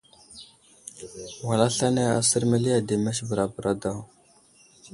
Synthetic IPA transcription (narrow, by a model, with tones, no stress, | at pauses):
wa˨la˦ɬa˦ne˦a̰˨sə˦ɾmə˦li˦a˨de˨mɛ˦ʃbə˨ɾa˨bə˨ɾʔa˦da˦˨w